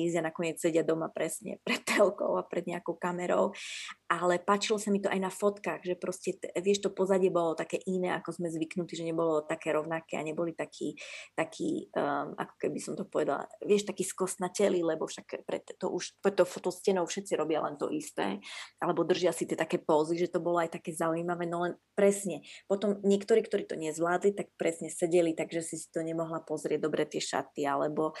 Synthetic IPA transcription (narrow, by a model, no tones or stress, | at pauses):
izanakɔɲɪɛt͡ssɛɟɪad̪ɔmapɾɛsɲɛ̰pɾɛt̪ːɛlkɔ̰ʊapɾɛd̪ɲɛakɔʊkamɛɾɔ̰ʊʔalɛpaːt͡ʃilɔsamit̪ɔʔajnafɔt̪kaːɣʒɛpɾɔscɛʋɪɛʃt̪ɔpɔzaɟɪɛbɔlɔt̪akɛːʔinɛːakɔzmɛzʋiknut̪iʒɛɲɛbɔlɔt̪akɛːɾɔʊnakɛːa̰ɲɛbɔlit̪akʰḭːt̪akʰḭːʔa̰kɔ̥kɛbisɔmt̪ɔpɔʋɛd̪a̰lʋɪɛʃt̪akiːskɔst̪nacɛlilɛbɔfʃakpɾɛ̰t̪t̪ɔ̰ʔuʃpt̪ɔfɔt̪ɔʊscɛnɔʊfʃɛt̪̚t͡siɾɔbɪalɛ̰nt̪ɔ̰ʔist̪ɛ̰ːʔalɛbɔd̪r̩ʒiasit̪ɪɛt̪akɛːpɔziʒɛt̪ɔbɔlɔajt̪akɛːzaujimaʋɛːnɔlɛnpɾɛsɲɛpɔt̪ɔmɲɪɛkt̪ɔɾiːkt̪ɔɾiːt̪ɔɲɛzʋlaːd̪lit̪ak̚pɾɛsɲɛsɛɟɛlit̪aɡʒɛsisi̥t̪ɔɲɛmɔɦlapɔzɾɪɛɟ̚d̪ɔbɾɛt̪ɪɛʃa̰t̪ialɛbɔ